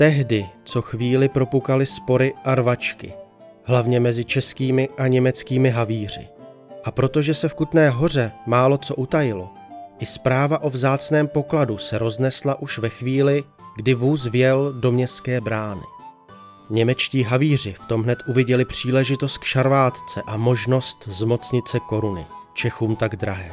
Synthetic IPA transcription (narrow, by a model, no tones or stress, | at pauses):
t̪ɛɦdɪt͡so̞xviːlɪpɾo̞pukalɪspo̞ɾɪʔaɾvat͡ʃkɪ̰ | ɦlavɲɛmɛzɪt͡ʃɛskiːmɪʔaɲɛmɛt͡skiːmɪɦaviːr̝ɪ̰ | ʔapɾo̞t̪o̞ʒɛsɛfkut̪nɛːɦo̞r̝ɛmaːlo̞t͡so̞ʔut̪ajɪlo̞ | ʔɪspɾaːvaʔo̞vzaːt͡snɛːmpo̞kladusɛɾo̞znɛslaʔuʃvɛxviːlɪ | ɡdɪvuːs̬vjɛldo̞mɲɛskɛːbɾaːnɪ̰ | ɲɛmɛt͡ʃciːɦaviːr̝ɪft̪o̞mɦnɛt̪ʔuvɪɟɛlɪpr̝̥iːlɛʒɪt̪o̞st̪̚kʃaɾvaːt̪t͡sɛʔamo̞ʒno̞st̪zmo̞t͡sɲɪt͡sɛko̞ɾunɪ̰ | t͡ʃɛxuːmt̪aɡd̪ɾaɦɛː